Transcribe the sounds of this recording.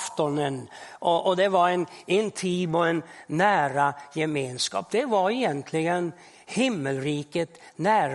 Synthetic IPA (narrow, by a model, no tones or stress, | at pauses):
ft̪ɔnənʔɔʔɔd̪ɛvaɾɛnɪnt̪ʰiːbɔɛnːæːɾajɛmeːnskɑ̰ːp̚d̪ɛvaɾɛjɛnt̪ʰlɪɡən | hɪmːəlɾiːkət̪næːɾ